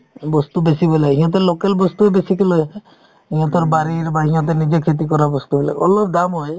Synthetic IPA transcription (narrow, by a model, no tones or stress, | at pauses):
bɔst̪ubesibɔleɦĩɦɔ̃t̪̬elokelbɔst̪uebesikilɔj | ɦiɦɔ̃t̪ɔɾbaɾiɾbaɾiɦiɦɔ̃t̪̬enid͡ʒekʰet̪̬ikɔɾabɔst̪ubɔla̰ɔlɔp̚d̪amɦɔj